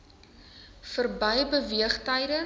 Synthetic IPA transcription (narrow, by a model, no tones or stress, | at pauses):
fərbəjbəviəχtəjdə